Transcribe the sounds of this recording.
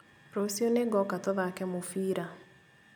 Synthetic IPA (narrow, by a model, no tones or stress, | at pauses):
ɾosioneɡɔkatoðakɛmofiːɾa